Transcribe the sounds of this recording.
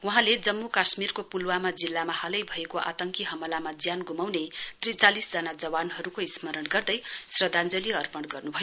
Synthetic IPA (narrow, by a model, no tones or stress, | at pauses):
wuɦãled͡zʌmːukasmirkopulwamad͡zilːamahʌlʌjbʱʌekoʔa̰t̪ʌŋkiɦʌmʌlamad͡zjanɡumawnet̪rit͡salisd͡zʌnad͡zʌwanɦʌɾukoismʌɾʌɽɡʌrd̪ʌjsrʌd̪ʱand͡zʌliʌrpʌɳɽɡʌrnubʱʌjo